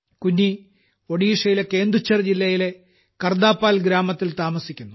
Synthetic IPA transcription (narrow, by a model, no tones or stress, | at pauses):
kunːi | oɽiːʂɐjileke̞ːnd̪ɾut͡ɕːɐrd͡ʑilːɐjile̞ | kɐrd̪aːpːaːlɡɾaːmɐt̪ːilt̪aːmɐsikʲːunːu